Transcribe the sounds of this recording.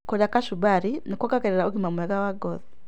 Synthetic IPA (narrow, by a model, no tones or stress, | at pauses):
kɔlakaʃubaɾinikɔkakɛɾɛɾauɡimamuɛɡawaɡɔði